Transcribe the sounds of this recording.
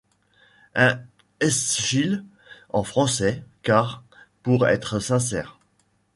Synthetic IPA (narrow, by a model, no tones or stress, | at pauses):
ɛ̃ | ɛsʃil | ɑ̃fχɑ̃sɛkaʁ | puʁɛ̰t̪χəsɛ̃s̬ɛːʁ